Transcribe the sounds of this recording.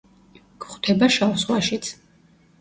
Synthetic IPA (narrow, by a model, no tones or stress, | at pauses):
ɡ̥χt̪ʰɛbaʃawswaʃit̪sʰ